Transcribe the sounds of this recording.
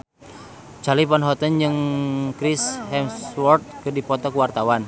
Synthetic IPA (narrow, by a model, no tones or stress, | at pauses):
d͡ʒalipanɦɔt̪ənd͡ʒɨŋkɾishɛmswɔrt̪̚kɨrdipɔt̪ɔkuwart̪awan